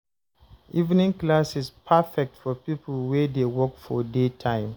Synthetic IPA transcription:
ʔivnĩŋklasispʰafɛk̚tfɔpipəl̩wedewɔkfɔdetʰãɪ̃m

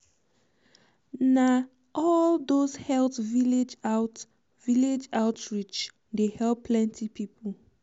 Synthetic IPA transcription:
na | ʔɔldoshɛltviled͡ʒt | viled͡ʒaʊtɹit͡ʃ | dehɛlpʰːlɛ̃ntʰipipʰəl

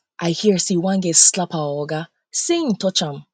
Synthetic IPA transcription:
ʔaɪhiɹsiwãnɡɛslapʰaɔɡa | sẽŋtʰɔt͡ʃãm

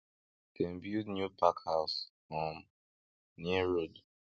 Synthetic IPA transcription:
kɛ̃mbjunjupʰakhaʊsfɔ̃m | niɛɹod

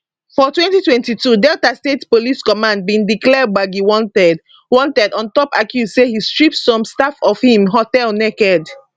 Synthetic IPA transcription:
fɔtwɛ̃ntitwɛ̃ntitudɛltastetpoliskɔmãnd̚bĩndiklɛd̚waɡiwɔ̃ntɛd | wɔ̃ntɛdɔ̃ntɔpakjuzsehistɹip̚ssɔ̃mstafɔfhĩmɦɔtɛlnɛkɛd

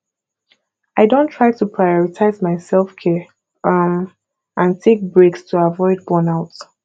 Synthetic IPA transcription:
aɪdõntʰɹ̥aɪtʰupʰɹajɔɹitʰaɪzmaɪsɛlˠfkʰɛ | m | ʔãntʰek̚bɹekstʰuavɔɪd̚bɔnaʊts

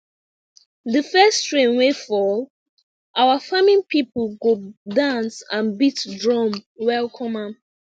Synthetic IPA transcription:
ðəfɛstɹẽnwefɔl | awafamĩnpʰipəlɡodãnsãnbitdɹɔ̃mwɛlkʰɔ̃mam

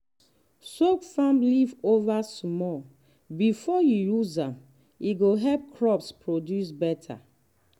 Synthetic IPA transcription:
sokfãmlivovasmɔ | bifɔjujuzãm | iɡoɦɛlp̚kʰɹɔpspɹodjus̬bɛtʰa̰

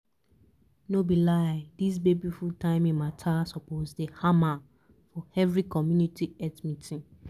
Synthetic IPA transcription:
nobilaɪdis̬bebifultʰãɪ̃mĩmatʰasɔpozdehama | fɔɛvɹikʰɔmjũnitʰiɛtmĩtʰĩn

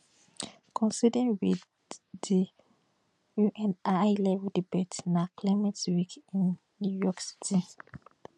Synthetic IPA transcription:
kʰɔ̃nsidĩŋwiθ | i | juʔɛ̃najlɛvɛldibetnakʰlamɛtwikĩnː | jujɔksi̥tʰĩ

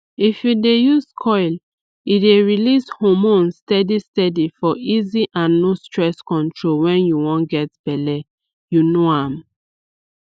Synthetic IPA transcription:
ifjudejuzkʰɔɪl | ideɹilishomõnstɛdistɛdifɔʔiziʔãnːostɹɛskɔ̃ntʰɹolwɛ̃njuwɔ̃nɡɛtbɛlɛ | junoãm

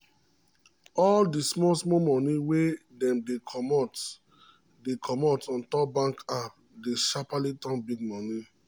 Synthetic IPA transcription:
ɔldismɔsmɔmɔ̃niwedɛ̃mdekʰmt | dekʰɔmɔtɔ̃ntɔp̚bãŋkap | deʃapalitɔ̃nbiɡ̚mɔni

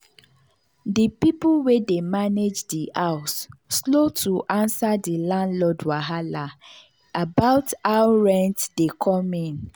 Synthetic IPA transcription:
dipiplwedemaned͡ʒdiaʊsːlotʰuʔãnsadilãndlɔdwaɦala | abaʊtaʊɹɛ̃ntdekʰɔmĩn

